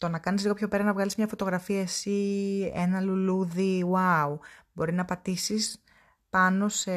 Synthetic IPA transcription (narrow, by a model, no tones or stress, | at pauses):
t̪o̞nɐkɐnizliɣo̞pço̞pe̞ɾɐnɐvɣɐlizmɲɐfo̞t̪o̞ɣɾɐfiɐesiḛnɐluluðiwawbo̞ɾinɐpɐt̪isis | pɐno̞se